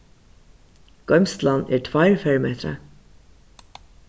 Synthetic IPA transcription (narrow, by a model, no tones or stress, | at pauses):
ɡ̥œmst̪lɑnæ̰ːʈʰʋɑɪɹfeːɹmeːt̪ʰɾə̰